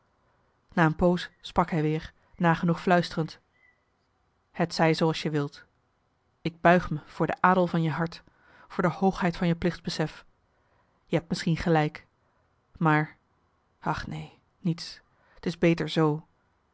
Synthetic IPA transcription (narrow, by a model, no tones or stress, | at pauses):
naːənpowssprɑkɦɛjʋɪːɹ | naːχənuχflœɥstərənt | hətsɛjzowɑlˠsjəʋɪlˠt | ɪɡ̚bœɥχməv̥ʊːɹdəʔaːdəlˠvɑnjəɦɑɹt | fʊːɹdəhowχɦɛjtfɑnjəplɪχtbəsɛf | jəɦɛpt̚mɪsχinχəlɛjk | maːɹ | ɑχnej | nits | ətɪzbejtəɹzow